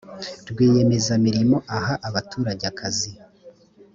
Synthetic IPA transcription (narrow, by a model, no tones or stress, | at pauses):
ɾɡwiːje̞me̞zamiɾimo̞ʔaɦaʔaβatuːɾaɟakʰazi